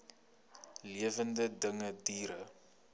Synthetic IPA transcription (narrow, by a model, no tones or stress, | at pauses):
liəvəndədəŋədiːɾə